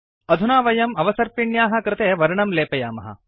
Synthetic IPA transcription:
ɐd̪ʱunaːʋɐjɐmɐʋɐsɐɾpiɳjaːɦɐ̆kɾɪt̪eːʋɐɾɐɳɐmleːpɐjaːmɐɦɐ̰

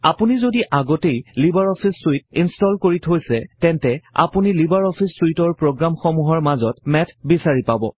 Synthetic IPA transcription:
apunizodiʔaɡɔtejlibaɹɔpʰisːuit̚instɔlkoɹitʰojsɛtɛntɛa̰punilibaɹɔpʰistuitɔɹpɹoɡɹamxɔmuɦɔɹmazɔt̚mɛtʰbisaɹipabɔ̰

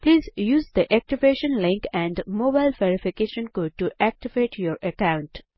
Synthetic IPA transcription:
pliːzjuːzd̪iʔæk̚ʈiʋeːʃə̃nlɪ̃ŋkɛ̃ɳɖmoːbaɪlʋeɾɪfɪkeːʃə̃nkoːɖ̚ʈuʔæk̚ʈiʋeːʈʰjoːɾəkãʊ̃ɳʈ

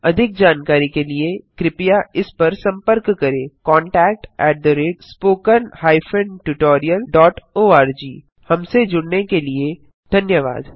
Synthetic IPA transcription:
ɐd̪ʱɪk̚d͡ʒaːnkaːɾikeliekɾɪpijaɪspɐɾsɐ̃mpəɾkːɐɾẽːkɔ̃ːɳʈɛːk̚ʈɛːʈ̚d̪əɾeːɖspoːkənhaːifʰə̃ɳʈuʈoːɾijəlɖɔːʈoːaːɾd͡ʒiː | hɐmsed͡ʒʊɽnekelie | d̪ʱɐnjəʋa̰ːd̪

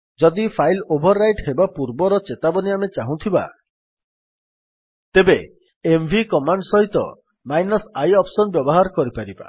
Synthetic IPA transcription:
d͡ʒɔd̪ipʰajlobʱɔɾːajʈɦebapuɾbɔɾɔt͡ʃet̪abɔniamet͡ʃaɦũt̪ʰiba̰ | t̪ebeː | mbʱikɔmaɳɖsɔɦit̪ɔ̰ | majnɔsajɔpsɔnbjɔbɔɦaɾɔkɔɾipaɾiba̰

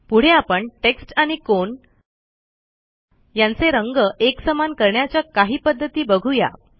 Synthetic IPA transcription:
puɽ̤eapəɳʈeksʈaɽ̃ikon | jant͡seɾəŋɡəʔeksəmankəɾɳjat͡ɕjakaɦiːpəd̪ʱːət̪iːbəɡʱuja̰

